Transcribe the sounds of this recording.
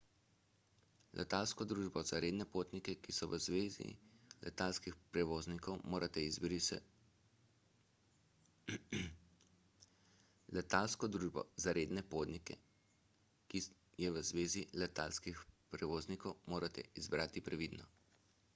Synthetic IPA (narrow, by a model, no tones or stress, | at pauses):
lʔɛ̰t̪alskɔd̪ɾuːʒbɔzaɾeːd̪nɛpoːt̪nikɛkisɔʋəzʋezḭlɛ̰t̪alskixpɾɛʋoːznikɔwmoːɾʔat̪ɛizbɾis | lɛt̪alskɔd̪ɾuːʒbɔ̰zaɾeːd̪nɛpoːt̪nikɛ̰ | ki | jɛʋəzʋeːzilɛt̪alskixpɾɛʋoːznikɔwmoːɾʔat̪ɛ̰izbɾaːt̪ipɾɛʋiːd̪nɔ